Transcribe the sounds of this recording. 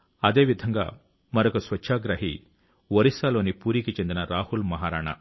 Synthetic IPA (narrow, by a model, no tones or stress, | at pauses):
ɐd̪e̞ːʋid̪ʱɐŋɡa̰ː | mɐɾɐkusʋɐt͡ʃːʃʰaːɡɾɐɦi | ʋɐɾisaːlo̞ːnipuːɾikit͡ʃe̞nd̪inɐɾaːhulmɐɦaːɾaːɳɐ̰